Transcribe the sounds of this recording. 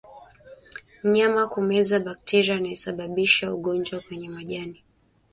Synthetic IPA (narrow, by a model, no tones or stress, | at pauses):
m̩ɲamakumɛzaɓak̚tʰɛɾianaisaɓaɓiʃauɡɔɲd͡ʒwakwɛɲɛmwaʄani